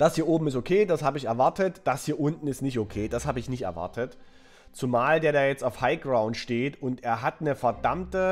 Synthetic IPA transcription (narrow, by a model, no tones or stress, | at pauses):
d̥ashiːɐʔoːbm̩ɪs̬tokʰeːdashaːbəɪçɛɐvaɐtətd̥ashiːɐʔʊntn̩ɪstnɪçtokʰeːd̥ashaːbəɪçnɪçtɛɐva̰ɐtʰət | t͡sumaːldeːɐdaːjɛt͡staʊfhaɪɡ̥ʁaʊ̃ntʃteːtʊntʔeːɐɦatnəfɛɐdamtə